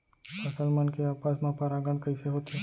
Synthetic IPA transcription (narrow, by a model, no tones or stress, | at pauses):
pəsəlmənkeapasmãpəɾaɡəɳkəiseɦot̪e